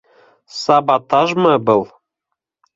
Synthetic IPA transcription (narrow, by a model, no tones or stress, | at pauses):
sɑbɑt̪ɑʒmɤbɤ̆lˠ